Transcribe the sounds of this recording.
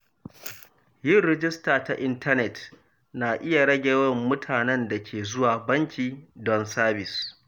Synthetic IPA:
jɪ˦˨nɾɛ˨d͡ʒɪ˦staː˨ta˨ʔɪ˦ntʰɐ˦nɛ˨t | na˨ʔɪ˦ja˨ɽɐ˦ɡʲeː˨wɐ˦mːʊ˦tʰaː˨nɛ˦nda˨kʲʰeː˨zʊ˦waː˨bɐ˦ŋkʲiː˨dɔ˦nsaː˦bɪ˨s

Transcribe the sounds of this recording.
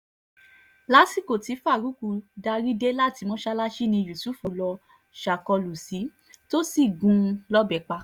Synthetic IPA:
la˨˦si˦˨ko˨ti˨˦fa˦˨ɾu˨˦ku˧da˧ɾi˦de˦la˦˨ti˧˦mɔ̃˦ʃa˦la˦ʃi˦nĩ˧ju˨su˨˦˨fo˨lɔ˧ | ʃa˨kɔ˧lu˨si˨˦ | to˦si˦˨ɡũ˨˧lɔ˦bɛ˨k͡pa˧

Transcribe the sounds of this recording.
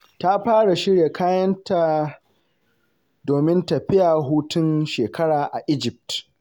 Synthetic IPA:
ta˦ɸaː˦ɽa˨ʃɪ˦ɾje˨kʰaː˦jɐ˦nta˨ | doː˨mɪ˦ntɐ˨ɸɪ˦jaː˨ɦuː˦tʊ˦nʃeː˨kɐ˦ɽaː˨ʔa˨ʔɪ˦d͡ʒɪ˨p̚t

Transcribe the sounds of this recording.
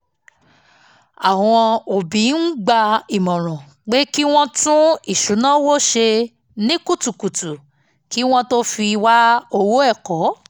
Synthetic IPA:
ã˨˧ɔ̃˧o˨bĩ˨˦n̩˦ɡ͡ba˧i˨mɔ̃˨ɾ̃ɔ̃˨ | ɡ͡be˦ki˦w̃ɔ̃˦tũ˦i˦˨ʃu˨˦nã˦wo˦ʃe˧ | nĩ˦ku˦˨tu˨ku˨tu˨ | ki˦w̃ɔ̃˦to˦fi˧wa˦o˧wo˦ɛ˦˨kɔ˨˦

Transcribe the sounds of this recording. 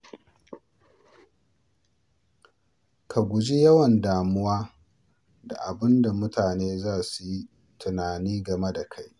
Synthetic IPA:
kʰa˨ɡʷʊ˨d͡ʒi˦jɐ˦wɐ˨ndaː˨mʊ˦waː˦ | da̰˨ʔa˨bɪ˦nda˨mʊ˦tʰaː˨neː˦zaː˦su˨ji˦ | tʊ˨naː˨niː˦ɡɐ˨me˦da˨kʰa˦j

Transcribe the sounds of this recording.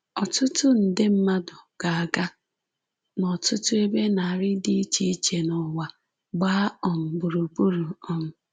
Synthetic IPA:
ɔ˨tʊ˦tʊ˦n̩˨dɪ˦m̩˦ma˦dʊ˨ɡ̥a˨a˨ɡa˦ | nɔ˨tʊ˦tʊ˦e˦be˦na˨a˨ɾɪ˦di˦i˦t͡ʃi˦i˦t͡ʃe˨nɔ˨wa˨ | ɡ͡ba˦ɔ˨m̩˨bʊ˨ɾu˨pu˦ɾu˨ɔ˨m̩˨

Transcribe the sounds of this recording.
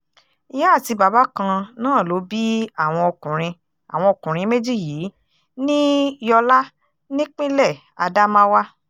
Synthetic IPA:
i˧ja˦˨ti˧ba˨ba˨˦kã˧nãː˦˨lo˨˦bi˦a˦˨w̃ɔ̃˧o˧kũ˨ɾ̃ĩ˧ | a̰˨w̃ɔ̃˧o˧kũ˨ɾ̃ĩ˧˦me˦d͡ʒi˦˨jiː˨˦ | nĩ˦jɔ˧la˦ | nĩ˦k͡pĩ˦lɛ˦˨ | a˧da˦mã˦wa˦

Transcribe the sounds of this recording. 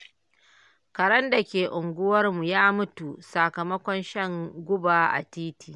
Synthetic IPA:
kɐ˨ɽɐ˦nda˨kʲeː˨ʔʊ˨ŋɡʷʊ˦wɐ˦rmu˨jaː˦mʊ˦tu˨sa˨kɐ˨mɐ˦kʷɔ˦nʃɐ˦˨ŋɡʷʊ˦baː˨ʔa̰˨tiː˦tiː˨

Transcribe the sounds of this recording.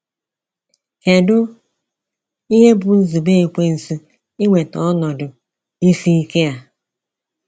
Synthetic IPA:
ke˨dʊ˦ | i˦ɦe˦bʊ˨n̩˦zi˨be˦˨e˨kʷe˦n̩˨si˦ | i˦ŋʷe˨tɔ˦ɔ˦nɔ˨dʊ˨ | i˦si˦i˦ke˦a˦

